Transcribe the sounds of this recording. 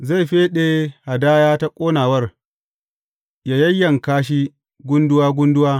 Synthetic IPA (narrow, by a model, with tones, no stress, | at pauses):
za˦˨ɸeː˦ɗeː˦ha˨daː˦jaː˦ta˦kʷʼoː˦naː˨wɐ˦r | jaː˨jɐ˦jːɐ˨ŋkaː˦ʃ̬i˦ | ɡʷʊ˦ndʊ˦waː˦ɡʷʊ˦ndʊ˦waː˦